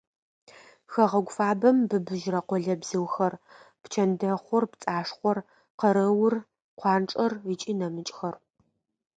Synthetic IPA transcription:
xɐʁɐɡʷfaːbɐmbɨbɨʒrɐqʷɔɮɐbz̥ɨwxɐrpt͡ʃʰɐndɐχʷɔrpt͡sʼaːʂχʷɔr | qɐɾɐwʊr | qʷʰɑːnʈ͡ʂʼɐrit͡ʃʼiːnɐmɨt͡ʃʼxɐr

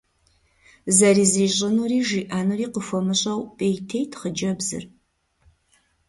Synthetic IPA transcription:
zɐriːziːɕʼɪnuːriːʒiːʔaːnuriːqəfɔmɨɕʼɐwpʼeːjtʰejtʰχəd͡ʒɐbzɨ̰r

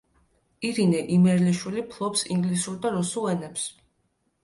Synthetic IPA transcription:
iɾinɛʔimɛɾliʃwilipʰlˠɔpsḭŋɡlisuɾd̪aɾusulˠɛnɛps

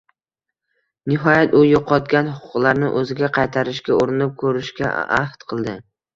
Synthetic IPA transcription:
nɪɦɒjat̪ʊjoqʰɒt̪ɡʲanhʊqʰʊ̥qlˠaɾnɪ̰ʔɵzɪɡʲaqʰɑjt̪ʰaɾɪʃkʲaoɾɪnɪp̚kʰɵɾɪʃkʲa̰a̰ht̪qʰɨlˠd̪ɪ

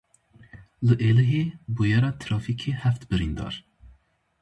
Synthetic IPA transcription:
lɨʔeːlɨɦebujɛɾɑːt̪ʰɾɑːfikʰehæft̪bɨɾind̪ɑ̰ɾ

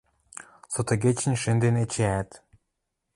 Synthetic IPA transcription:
sot̪oɡʲet͡ɕɘ̆nʲʃɘ̆nd̪enet͡ɕeæt̪

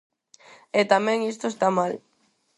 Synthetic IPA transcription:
et̪amɛ̃ŋist̪oest̪amal

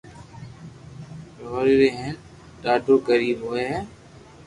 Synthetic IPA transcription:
ɾoːɾɾeːɦen | ɗaːɖʱoːkəɾiːɦoeː

